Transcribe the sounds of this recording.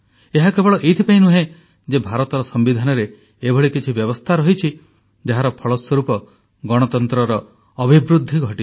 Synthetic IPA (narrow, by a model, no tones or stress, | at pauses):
eɦakebɔɭɔʔejt̪ʰipaĩnuɦẽ | d͡ʒebʱaɾɔt̪ɔɾɔsɔmbid̪ʱanɔɾeː | bʱɔɭikit͡ʃʰibjɔbɔst̪ʰaɾɔɦit͡ʃʰi | d͡ʒaɦaɾɔpʰɔɭɔswɔɾupɔ | ɡɔɽ̃ɔt̪ɔnt̪ɾɔɾɔː | bʱibɾud̪ʱːiɡʱɔʈi